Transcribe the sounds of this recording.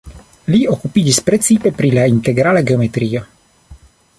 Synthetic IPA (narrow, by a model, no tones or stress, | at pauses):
liokupid͡ʒispɾet͡ssipepɾilaint̪eɡɾalaɡeomet̪ɾio̞